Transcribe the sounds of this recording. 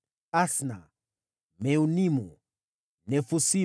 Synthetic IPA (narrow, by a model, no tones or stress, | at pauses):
asna | mɛunimu | nɛfusi